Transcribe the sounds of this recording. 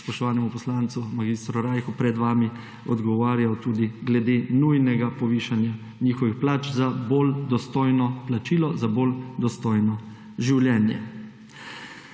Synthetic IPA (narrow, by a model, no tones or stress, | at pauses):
spɔʃt̪ɔʋaːnɛmupɔslaːnt̪sumaɡist̪ɾuɾajxupɾɛd̪ʋaːmi | ɔd̪ɡɔʋaːɾjawt̪uːd̪iɡlɛd̪eːnujnɛɡapɔʋiːʃanja | niːxɔʋixplaːt͡ʃzabold̪ɔst̪oːjnɔplat͡ʃiːlɔzabold̪ɔst̪ɔjnɔ | ʒiwljɛːnjɛ̰